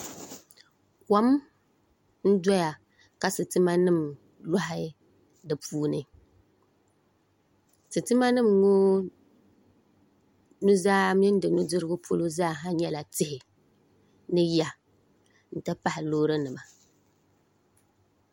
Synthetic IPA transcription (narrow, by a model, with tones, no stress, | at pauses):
ka˦m | n̩˦dɔ˦ja˨ | ka˨sɨ˨tɨ˦ma˦nɨ˦˨m | la˦ɦɪ˦ | dɨ˨pʰuː˦nɨ̰˨ | sɨ˨tɨ˦ma˦nɨ˦˨mŋo˦ | nu˦zaː˦m˦ɪ˦n˦dɨ˨nu˦dɨ˦ɾɨ˦ɡʊ˦pʰo˦lo˦zaː˦˨ɦa˦ɲɛ˦la˨tɪ˦hɪ˨ | nɨ˦ja˨ | n̩˨tɨ˦pa˦hɪ˨loː˦ɾɨ˦nɨ˨ma˨